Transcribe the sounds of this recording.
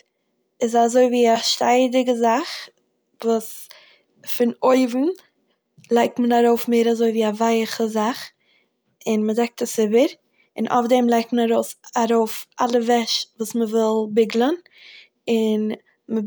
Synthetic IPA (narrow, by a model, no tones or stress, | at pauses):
ɪzazoɪviːaʃtaɪdɪɡəzaχ | vuːs | fɪnoɪvn̩ | lˠaɪk̚tmənaɾoʊfmeɪɾazoɪviːavaɪχəzaχ | ɪnmədɛk̚təsɪbəɾ | ɪnʔo̰fdɛmlˠaɪk̚tmənaɾoʊsaɾoʊfʔa̰lˠəvɛʃvuːsməvɪlˠbɪɡlˠən | ɪn | mə